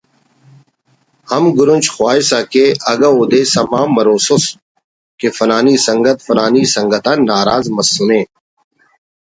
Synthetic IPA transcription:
hɐmɡʊɾʊnt͡ʃxwaːisakeɐɡaoːd̪eːsɐmaːmːɐɾoːsʊs | kefɐnaːniːsɐŋɡət̪fɐnaːniːsɐ̃ŋɡət̪ãnːaːɾaːzmɐsːʊnẽː

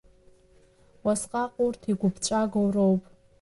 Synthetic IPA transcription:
wasqʼaqʼurtʰiɡʷʊbʰt͡ʃʷʼaɡowrowpʼ

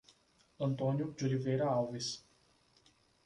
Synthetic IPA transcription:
ənt̪oːnʲjud͡ʒuliveɾaawvis

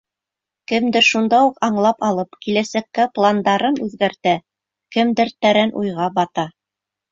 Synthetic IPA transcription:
kɘ̆md̪ɘɾʃund̪ɑuqɑɴlˠɑpɑlˠɤpkilæsækːæplˠand̪ɑɾɤnʉðɡæɾt̪æ | kɘ̆md̪ɘɾt̪æɾænʔujʁɑbɑt̪ɑ

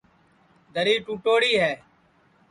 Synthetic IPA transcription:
d̪ʱəɾiːʈuːʈoːɽiːɦɛː

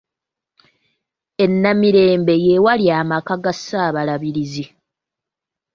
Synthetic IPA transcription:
e̞nːamiɾe̞ːmbe̞je̞waljaːmakaɡasaːβalaβiɾizi

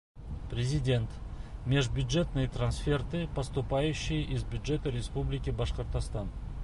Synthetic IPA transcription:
prʲezʲidʲe̞nt̪mʲe̞ʐbʲjʊd̪ʒe̞t̪nɨjt̪ransfʲert̪ɨpɐst̪upɑjʉɕːɪjʔɪzbʲjʊd̪ʐe̞t̪əɾʲespublʲɪkʲibɑʃqəɾt̪ɑst̪ɑn

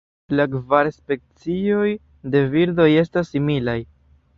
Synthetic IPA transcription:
lakvaɾspe̞k̚t͡sio̞j | de̞viɾdo̞je̞stasːimilaj

